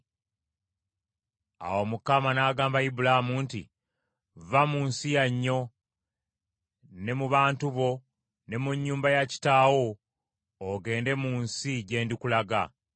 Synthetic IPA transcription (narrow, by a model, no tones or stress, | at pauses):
a̰wo̞mukamanaːɡaːmbaibulamuntḭ | vamuːnsijaɲːo̞ | ne̞muβaːntuβo̞ | ne̞muɲːuːmbajaci̥taːwo̞ː | ɡe̞ːnde̞muːnsiɟe̞ːndikulaɡa